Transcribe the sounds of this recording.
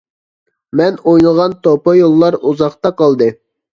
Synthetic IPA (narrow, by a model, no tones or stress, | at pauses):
mɛnojnɨlˠʁɑnt̪opɑjolˠːɑɾuzɑχt̪ɑqɑlˠd̪ɨ